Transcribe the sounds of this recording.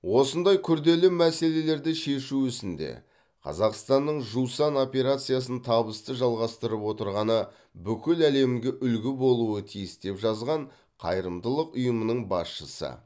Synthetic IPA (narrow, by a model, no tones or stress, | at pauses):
wo̞sənd̪ɑjkʲʰʏɾd̪e̞lɪmæse̞le̞le̞ɾd̪ɪʃe̞ʃuʏsɪnd̪e̞̰ | qʰɑ̰zɑqst̪ɑnːəɴʒusɑno̞pʲe̞ɾat̪sɨjas̬ənt̪ʰɑbəst̪əʒɑlˠʁɑst̪əɾəpwo̞t̪əɾʁɑnə | bʏkʲɪlæle̞mɡʲe̞ʔʏlɡʲɪbo̞lˠuət̪ʰijɪsd̪e̞pʒɑzʁɑɴ | qʰɑjɾəmd̪əlˠəqʊjəmənəɴbɑsʃəsə̰